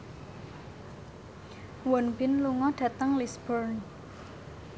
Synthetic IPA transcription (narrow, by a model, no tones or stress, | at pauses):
wɔnbɪnluŋɔɖ̥ä̤t̪əŋlisb̥ɔrn